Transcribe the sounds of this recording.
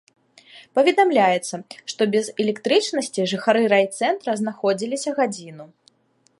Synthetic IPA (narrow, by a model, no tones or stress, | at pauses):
pɐvʲɛd̪amlʲajɛt̪sːɐʂt̪ɔbʲɛzɛlʲɛkt̪ɾɨt͡ʂnɐsʲt͡sʲiʐɨxaɾɨɾajt̪sɛnt̪ɾɐznaxɔd͡zʲilʲisʲɐɣad͡zʲinu